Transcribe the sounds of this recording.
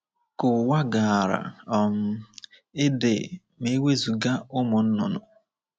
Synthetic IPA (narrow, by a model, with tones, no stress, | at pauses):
kʊ˨wa˦ɡa˨a˨ɾa̰˨ɔ˨m̩˦ | ɪ˦dɪ̰˨ | me˦we˦zu˨ɡa˦ʊ˦mʊ˨n̩˦nʊ˨nʊ˨